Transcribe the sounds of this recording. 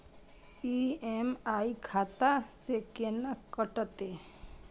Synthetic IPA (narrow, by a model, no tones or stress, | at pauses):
iemaikʰaːt̪asekenakːəʈət̪e